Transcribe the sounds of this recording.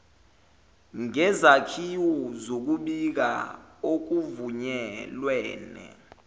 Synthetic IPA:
ŋɛzakʰiwɔzok̬uɓik̬a̰ok̬uvuɲɛlwɛːnɛ̰

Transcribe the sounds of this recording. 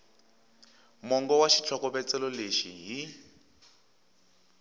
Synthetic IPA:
mɔŋɡɔwaʃi̥t͡ɬʰɔkɔbɛt͡sɛlɔleʃiɦi

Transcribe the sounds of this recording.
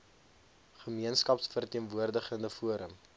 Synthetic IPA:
χəmiənskɐpsfərtiənvuərdəχəndəfuəɾəm

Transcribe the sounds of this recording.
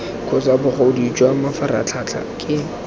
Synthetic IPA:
kʰʊt͡sabʊχoʊdid͡ʒʼwamafaɾa̰t͡ɬʰat͡ɬʰa̰kʼɪ

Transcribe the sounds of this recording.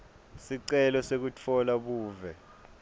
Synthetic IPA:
siǀɛlɔsek̬ut͡fʰɔlaɓuːvɛ

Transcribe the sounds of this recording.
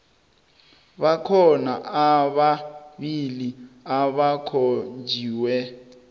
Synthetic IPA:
βakʰɔnaaβaβiliaβakʰond͡ʒʱiːwɛ

